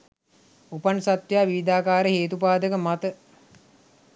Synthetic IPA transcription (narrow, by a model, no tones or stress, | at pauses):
upansat̪ʋjaːʋiːd̪aːkaːɾəɦeːt̪upaːd̪əkəmat̪ə